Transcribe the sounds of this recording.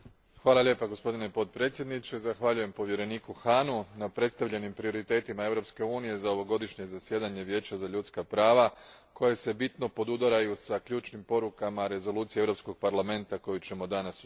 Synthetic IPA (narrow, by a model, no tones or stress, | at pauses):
xʋaːlˠalje̞ːpaɡo̞spo̞d̪ine̞po̞t̪̚pɾe̞ːt̪sʲjed̪nit͡ʃezaxʋaʎuje̞mpo̞ʋje̞ɾe̞niːkuxanunapɾe̞t̪st̪aʋʎe̞nimpɾio̞ɾit̪e̞ːt̪imae̞ʋɾo̞pske̞uːnije̞zao̞ʋo̞ɡo̞d̪iʃɲe̞zasje̞d̪aɲe̞ʋje̞ːt͡ɕazaʎut̪skapɾaːʋakʰo̞je̞se̞bit̪no̞po̞d̪ud̪aɾajusaklʎuːt͡ʃnimpo̞ɾukamaɾe̞zo̞lˠuːt̪sieevɾo̞psko̞ɡ̚paɾlˠame̞nt̪ako̞jut͡ɕe̞mo̞d̪anas